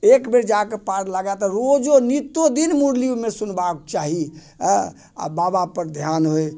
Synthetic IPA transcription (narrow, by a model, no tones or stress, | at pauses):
ekbeɾd͡ʒakepaɾlaɡat̪ɔɾod͡ʒonit̪od̪inmuɾliumesunbak̚t͡ʃaɦi | a̰babapəɾd̪ʱjanɦoj